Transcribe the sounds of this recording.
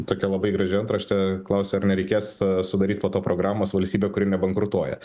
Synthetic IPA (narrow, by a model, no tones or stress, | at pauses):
t̪oːkʲɛlˠɐbɐɪɡɾɐʒʲɪɐnt̪ɾɐʃʲt̪ʲɛklˠɐʊsʲɛɐrnʲɛɾʲɛɪkʲeːssʊd̪ɐɾʲiːt̪̚ʲpoːt̪oːpɾoːɡɾɑːmoːsʋɐlʲsʲt̪ʲiːbʲeːkʊɾʲɪnʲɛbɐŋkɾʊt̪uɔjɛ̰